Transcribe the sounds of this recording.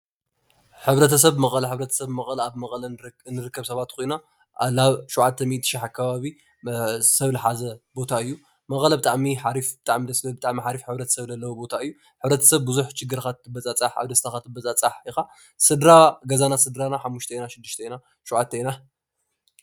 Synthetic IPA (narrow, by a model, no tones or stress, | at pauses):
ħɨβɾɐt̪ʰɐsɐβmɐχʼlɐħɨβɾɐt̪ʰɐ̥sɐβmɐχʼlɐaβmɐχʼlɐnːɨɾɨkːɐβsɐβat̪kʰojna | alaβʃuʕat̪ʰːɐmit̪ɨ̥ʃɪħakʰːɐβaβi | sɐβlɨħazɐbo̞t̪ʰaɨjːu | mɐχʼlɐbɨt̪ʼaʕmiħaɾifbɨt̪ʼaʕmid̪ɐsɐbɨt̪ʼaʕmiħaɾifħɨβɾɐt̪ʰɐ̥sɐβzɐlːɐwubo̞t̪ʰaɨjːu | ħɨβɾɐt̪ʰɐ̥sɐβbɨzuħt͡ʃɪɡːɨɾxat̪ːɨbɐt͡sʼat͡sʼaħa̰βd̪ɐst̪ʰaxat̪ʰːɨbɐt͡sʼat͡sʼaħixa | sɨd̪ɾaɡɐzanasɨd̪ɾanaħamːuʃt̪ʰɐinaʃɪd̪ːɨʃt̪ʰɐjna | ʃoʕat̪ʰːɐina